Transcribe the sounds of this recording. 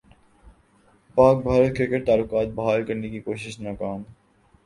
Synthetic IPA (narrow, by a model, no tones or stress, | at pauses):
paːk̚bʱaːɾət̪̚kʰekəɾt̪aːlʊkaːt̪̚bɐɦaːlkɐɾnekikoːʃɪʃnɔkaːm